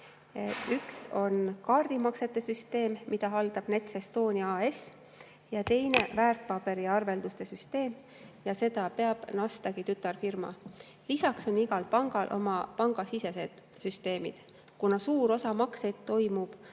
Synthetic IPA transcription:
ykso̞nkɑːrd̪̥imɑkse̞t̪ːˑe̞syst̪e̞ːmmid̪̥ɑɦɑld̪̥ɑb̥ne̞t̪sest̪o̞ːnʲiɑːes | jɑt̪e̞jne̞væːrt̪̚pɑb̥e̞ɾiɑrve̞ld̪ust̪e̞syst̪e̞ːm | jɑse̞d̪̥ɑpe̞ɑb̥nɑst̪ɑɡit̪yt̪ːˑɑrfirmɑ̰ | lisɑkso̞niɡɑlpɑŋɡ̥ɑlʔo̞̰mɑpɑŋɡ̥ɑsise̞se̞d̪̥ | syst̪e̞ːmḭd̪̥ | kunɑsuːɾo̞sɑmɑkse̞d̪̥t̪ːo̞jmub̥

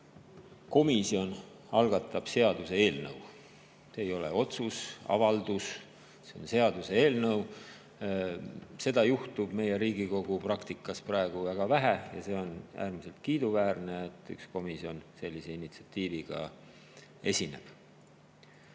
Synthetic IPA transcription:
ko̞misio̞n | ɑlɡ̥ɑt̪ːˑɑb̥se̞ɑd̪̥use̞e̞ːlnɤ̰w | seːjo̞lḛo̞t̪susɑ̰vɑld̪̥us | seonse̞ɑd̪̥use̞e̞ːlnɤw | se̞d̪̥ɑjuht̪ub̥me̞jeɾiːɡiko̞ɡ̥uprɑkt̪ikːˑɑsprɑe̞ɡ̥uvæɡ̥ɑvæɦæjɑ̰se̞ːo̞nʔæ̰ːɾmise̞lt̪̚kiːd̪̥uvæːrneet̪ːˑy̰ksko̞misio̞nse̞lʲːise̞init̪si̥ɑt̪ːiːviɡ̥ɑ̰ | e̞sʲine̞̰b̥

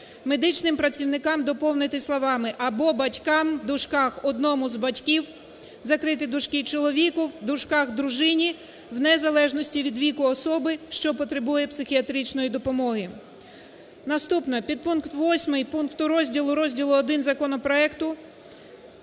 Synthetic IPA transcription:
me̞d̪ɪt͡ʃnɪmpɾɐt͡sʲiwnɪkɑmd̪ɔpɔwnɪt̪ɪslˠɔʋɑmɪʔɐbɔbɐtʲkɑmd̪ʊʃkɑxɔd̪nɔmʊzbɐtʲkʲiw | zɐkɾɪt̪ɪd̪ʊʃkɪt͡ʃɔlˠɔʋʲikʊwd̪ʊʃkɑxd̪ɾʊʒɪnʲi | wnɛzɐlˠɛʒnɔsʲtʲiʋʲid̪ʋʲikʊɔsɔbɪʃt͡ʃɔpɔt̪ɾebujɛpsɪxʲiɐt̪ɾʲit͡ʃnɔjid̪ɔpɔmɔɦɪ | nɐst̪upnɔpʲid̪̚punkt̪ʋɔsʲmɪjpunkt̪ʊɾɔzʲdʲilˠʊɾɔzʲdʲilˠʊɔd̪ɪnzɐkɔnɔpɾɔɛkt̪ʊ

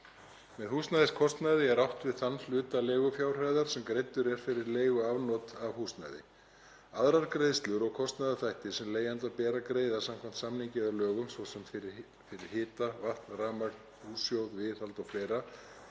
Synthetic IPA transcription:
mɛðhuːsnajðɪskʰɔst̪najðɪɛɾawht̪vɪðθanlʏːt̪aleːɣʏfjaːwr̥ajðaɾ̥sɛmkɾejt̪ːʏɾɛɾ̥fɪɾɪɾleːɣʏavnɔt̪avhuːsna̰jðɪ̰ | aðɾaɾkɾeːðst̪lʏɾɔɣkʰɔst̪najðaθajht̪ɪ̥sɛmleːjant̪apɛːɾakɾeːjðasamkʰvam̥t̪samniɲcɪðalœːɣʏmsvɔsɛm | fɪɾɪɾ̥hɪːt̪avaht̪lraːmaɾk̪ | huːsjowðvɪθalt̪ɔɣfleːjɾa

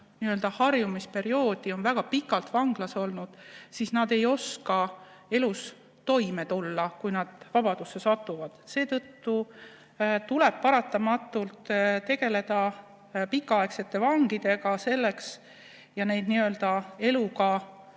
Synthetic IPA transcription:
niø̞ld̪ɑhɑrjumispe̞ɾio̞ːd̪̥io̞nvæɡ̥ɑpikːˑɑlt̪vɑŋɡ̥lɑso̞lnud̪̥siːsnɑd̪e̞jo̞skɑ | e̞lus | t̪o̞jme̞t̪ulːɑkujnɑd̪̥vɑb̥ɑd̪̥usːe̞sɑt̪ːˑuvɑd̪̥se̞ːt̪ɤt̪ːu | t̪ule̞b̥̚pɑɾɑt̪ːˑɑmɑt̪ːˑult̪t̪e̞ɡ̥e̞le̞d̪̥ɑ | pikːˑɑɑe̞kse̞t̪ːe̞vɑŋɡid̪̥e̞ɡ̥ɑse̞lːe̞ks | jɑne̞jd̪̚niø̞ld̪̥ɑe̞lukɑ

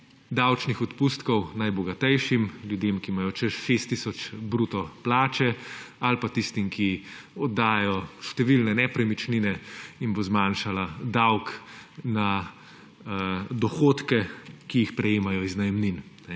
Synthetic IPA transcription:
d̪awt͡ʃnixɔt̪pust̪kɔwnajbɔɡat̪ɛjʃimljud̪eːmkimajɔt͡ʃɛʃʃeːst̪ːisɔt͡ʃbɾuːt̪ɔplaːt͡ʃɛalpat̪ist̪imki | ɔd̪aːjɔʃt̪ɛʋilnɛnɛpɾɛmit͡ʃninɛinbozmaːnʃalad̪awkna | d̪ɔxoːt̪kɛkijixpɾɛjeːmajɔiznajɛmninnɛ

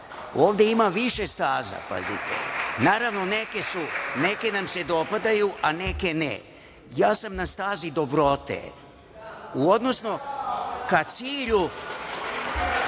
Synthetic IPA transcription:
o̞ːʋd̪e̞imaʋiʃe̞st̪aːza̰pa̰zḭt̪ḛnaːɾaʋno̞ne̞ke̞sune̞ke̞namse̞d̪o̞pad̪ajuʔane̞ke̞nḛ | jaːsamnast̪aːzid̪o̞bɾo̞t̪ḛ | uo̞d̪no̞sno̞kat̪siːʎu

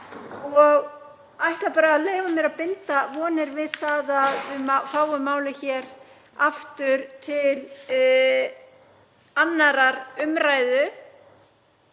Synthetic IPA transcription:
ɔɣ | ajht̪lapaːɾaːðleːjvamjɛɾaðpɪnt̪avɔːnɪɾvɪðθaːðaðʏmafaːwʏmːaːwlɪçɛːɾ | aft̪ʏɾ̥t̪ʰɪl | anːaɾaɾʏmɾajðʏ

